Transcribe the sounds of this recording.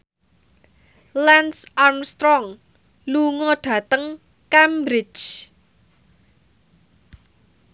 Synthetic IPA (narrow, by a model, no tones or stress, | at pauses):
lɛnsarmst̪ɾɔŋ | luŋɔɖ̥ä̤t̪əŋ | kambɾɪ̥t͡ʃ